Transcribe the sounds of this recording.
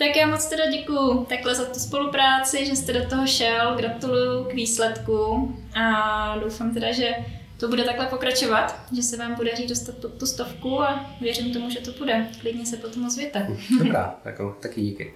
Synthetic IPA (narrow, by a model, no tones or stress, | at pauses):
t̪akjaːmot͡st̪ɛdaɟɛkujʊt̪aklɛzat̪uspo̞lupɾaːt͡sɪʒɛst̪ɛdot̪oɦoʃɛlɡɾat̪ulujʊkviːslɛt̪ku | ʔadowfaːmt̪ɛdaʒɛ | t̪o̞budɛt̪aklɛpo̞kɾat͡ʃo̞vat̪ʒɛsɛvaːmpo̞dariːdo̞st̪at̪̚pot̪ːust̪o̞fkuavjɛɾɪmt̪o̞muʒɛt̪obudɛklɪdɲɛsɛpot̪omosvjɛt̪adobɾa̰ːt̪a̰kot̪akɪɟiːkɪ̰